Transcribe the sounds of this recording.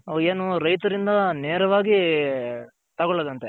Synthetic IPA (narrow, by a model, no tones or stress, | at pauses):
eːnuɾɐjt̪ɐɾind̪ɐneːɾɐʋaːɡi | t̪ɐɡɔɭːɐd̪ɐnt̪e